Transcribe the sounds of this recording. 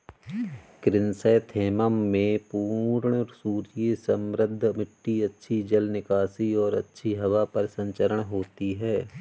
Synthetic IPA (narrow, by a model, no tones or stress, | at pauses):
kɾɪnsəːt̪ʰeːməmːẽpuːɾɳɔsuːɾijesɐmɾəd̪ʱːmɪʈːiɐtːʃʰid͡ʒɐlnɪkaːsiɔːɾɐ̰tːʃʰiɦɐʋapɐɾsɐ̃ɲt͡ʃəɾəɽ̃ɦoːt̪iɦɛː